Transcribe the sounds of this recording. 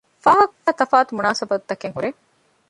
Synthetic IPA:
faːɦɐkaːt̪ɐfaːt̪umunaːsɐbɐt̪d̪ɐkeŋkuɾe

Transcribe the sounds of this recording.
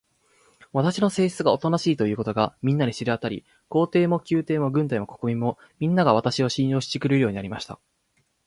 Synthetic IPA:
βat̪aɕino̞se̞ːɕt͡sɨɡao̞t̪onaɕiːt̪o̞jɯ̟ːko̞t̪o̞ɡamʲĩnːaɲʲeɕiɾɯat̪aɾʲḭ | ko̞ːt̪e̞ːmo̞kʲɨːt̪e̞ːmo̞ɡɯ̟̃nt̪̬aimo̞ko̞̥komʲimo̞ | mʲĩnːaɡaβat̪aɕio̞ɕĩɰ̃jo̞ːɕi̥t͡ɕikɯ̟ɾɯ̟jo̞ːɲ̟inaɾʲimaɕi̥t̪a̰

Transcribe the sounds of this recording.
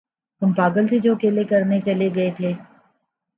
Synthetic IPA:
t̪ʊmpaːɡəlt̪ʰed͡ʒoːɐkeːlekɐɾnet͡ʃɐleɡɐet̪ʰeː

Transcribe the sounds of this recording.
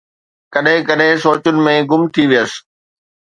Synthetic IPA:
kɐɗɦɪ̃kɐɗɦɪ̃soːt͡ɕʊnɪ̆mẽɡʊmt̪ʰiʋijəsɪ̥̆

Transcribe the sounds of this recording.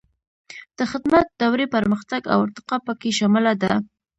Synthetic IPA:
d̪̥əxɪd̪mat̪̚d̪awɾepəɾməxt̪aɡa̰waɾt̪ɪ̥qɑpəkeʃamɪlad̪a

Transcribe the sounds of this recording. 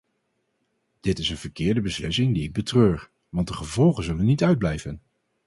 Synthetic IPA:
d̥ɪtɪsənv̥əɹkɪːɹdəbəslɪsɪŋdiɪɡ̚bətrøːɹ | ʋɑnt̚dəχəvɔlˠχənzɵlənːitœɥd̚blɛjvən

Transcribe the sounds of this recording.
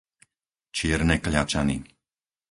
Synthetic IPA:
t͡ʃɪɛɾnɛkʎat͡ʃanḭ

